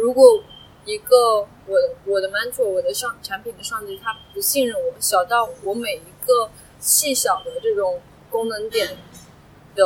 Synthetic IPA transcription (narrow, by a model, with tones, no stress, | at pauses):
ɻu˧˥kwɔ˧˥ | i˧˥ɡə˧ | wɔ˨˩wɔ˨˩d̪ə˦ma˧˥nt͡sʰwɔ˥˩wɔ˨˩d̪ə˧˥ʂɑ˥˧ŋʈ͡ʂʰa˧˥npʰi˨˩nd̪ə˦ʂɑ˥˧ŋt̪i˥˩t̪ʰa˥pu˧˥ɕi˥˧nɻʊ˥˩ŋwɔ˨˩˥ɕjɑ˨˩ʊt̪ɑ˥˩ʊwɔ˧˥me˨˩ɪi˧˥ɡə˧ | ɕi˥˩ɕjɑ˨˩ʊd̪ə˦ʈ͡ʂɤ˥˩ʈ͡ʂʊ˨˩˦ŋ | kʊ˥ŋnɤə˧˥ŋt̪jɛ˨˩n | d̪ə˧˦